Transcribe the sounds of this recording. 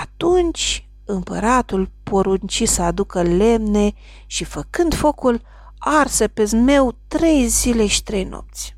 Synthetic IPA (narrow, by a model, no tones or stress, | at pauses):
at̪unt͡ʃʲ | ɨmpəɾat̪ulpo̞ɾunt͡ʃisəad̪ukəle̞mne̞ | ʃifəkɨnd̪fo̞kul | arsəpezme̞wt̪ɾe̞jzile̞ʃi̥t̪ɾe̞jno̞̰p̚t̪sʲ